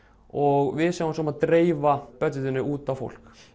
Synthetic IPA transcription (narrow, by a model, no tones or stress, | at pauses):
ɔɣvɪðsaansɔmaðt̪ɾeːjvapœt̪ɪt̪ɪnːʏuːt̪avfo̰wl̥k